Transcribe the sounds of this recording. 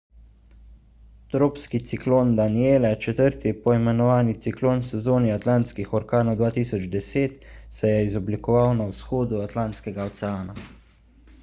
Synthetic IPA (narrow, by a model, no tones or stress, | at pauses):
t̪ɾoːpskit̪sikloːnd̪anieːlɛt͡ʃɛt̪əɾt̪ipɔimɛnɔʋaːnit̪sikloːnsɛzoːniat̪lant̪skixɔɾkaːnɔwd̪ʋaːt̪iːsɔd͡ʒd̪ɛseːt̪sɛjɛizɔblikɔʋawnawsxoːd̪uat̪laːnt̪skɛɡaɔt̪sɛaːna